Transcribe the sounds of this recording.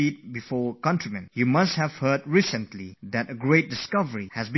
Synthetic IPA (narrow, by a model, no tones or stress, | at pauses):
it̚bifɔːkʌ̃ntɹimɛ̃njumʌst̚hɛv̥hɜd̚ɹisə̃ntliðɛtəɡɹet̚dɪskʌvəɹihɛzb